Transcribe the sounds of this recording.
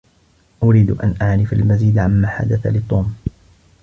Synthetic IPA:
ʔʊɾiːd̪ʔa̰nʔaʕɾɪfalmaziːd̪ʕamːaːħa̰d̪aθa̰lɪt̪ˤːuːm

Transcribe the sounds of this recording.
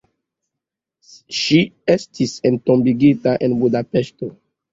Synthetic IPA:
ʃiɛstʰisɛ̃ntɔ̃mbiɡetaʔɛ̃nbudapɛsto

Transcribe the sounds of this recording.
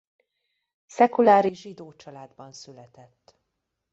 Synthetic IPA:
sɛkulaːɾiʒid̪oːt͡ʃɒlaːd̪bɒnsylɛt̪ɛt̪ː

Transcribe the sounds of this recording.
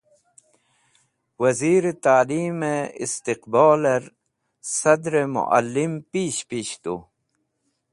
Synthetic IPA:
wɐziːɾet̪aːliːmeḭst̪iqbaːleɾ | sɐd̪ɾemṵʔa̰lːimpiːɕpiːɕt̪ṵ

